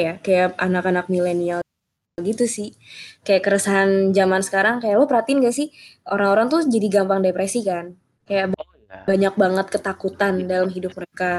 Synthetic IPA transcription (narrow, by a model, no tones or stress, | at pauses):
jakajaʔanakanak̚milenial | ɡit̪usɪh | kajaʔkəɾəsaɦand͡ʒamansə̥kaɾaŋkajaʔlɔpəɾhat̪iɪnkasɪhoɾaŋoɾaŋt̪ud͡ʒadiɡampaŋdepɾesikan | kajaʔb | baɲak̚baŋət̪̚kət̪akut̪andalamɦidʊp̚məɾeka